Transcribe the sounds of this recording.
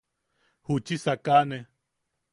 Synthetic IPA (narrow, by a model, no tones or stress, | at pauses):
hut͡ʃisakane